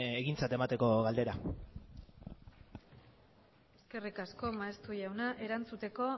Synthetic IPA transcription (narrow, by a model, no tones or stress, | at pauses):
eɣint͡sat̪e̞mat̪eko̞ɣald̪e̞ɾa | e̞ske̞rikasko̞maest̪ujawnaʔe̞ɾant͡sut̪e̞ko̞